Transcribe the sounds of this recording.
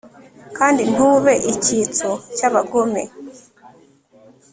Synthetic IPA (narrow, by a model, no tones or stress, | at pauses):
kaːndin̥huːβe̞ʔicit͡socaβaɡome̞̰